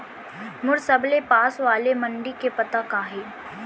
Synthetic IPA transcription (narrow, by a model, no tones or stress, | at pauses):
mʊɾsɐblepaːsʋaːlemɐɳɖikepɐt̪akaːɦeː